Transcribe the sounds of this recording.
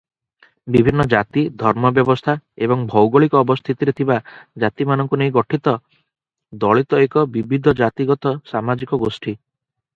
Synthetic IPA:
bibʱinːɔd͡ʒat̪id̪ʱɔɾmɔbjɔbɔst̪ʰaebɔŋbʱɔwɡɔɭikɔːbɔst̪ʰit̪iɾet̪ʰibad͡ʒat̪imanɔŋkunejɡɔʈʰit̪ɔ | d̪ɔɭit̪ɔekɔbibʱid̪ʱɔd͡ʒat̪iɡɔt̪ɔsamad͡ʒikɔɡosʈi

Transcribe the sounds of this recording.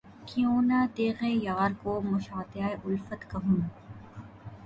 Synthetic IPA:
kijõːnaːt̪eːɣẽjaːɾkoːmʊʃaːt̪ɪjaːeʔʊlfət̪kɐɦũː

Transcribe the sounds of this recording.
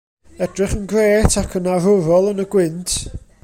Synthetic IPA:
ɛdrɪχənɡreːtʰakʰənarʊɾɔlˠənəɡwɪntʰ

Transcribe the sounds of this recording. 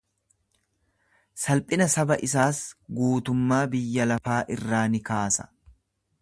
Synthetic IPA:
sɐlpʼɪnɐsɐbɐʔɪs̬aːsɡuːt̪ʊmːaːbɪjːɐlɐfaːʔɪrːaːnɪkaːsɐ̥

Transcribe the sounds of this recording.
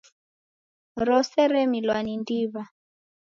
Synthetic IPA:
ɾɔsɛɾɛmilwanindiːβa

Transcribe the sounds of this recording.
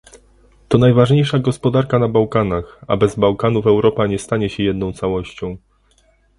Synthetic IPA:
t̪ɔnajvaʐɲejʂaɡɔspɔd̪aɾkanabawkanaxa̰bɛzbawkanuvɛwɾɔpaɲɛst̪aɲɛɕɛjɛd̪nɔ̃w̃t̪sawɔɕt͡ɕɔ̃w̃

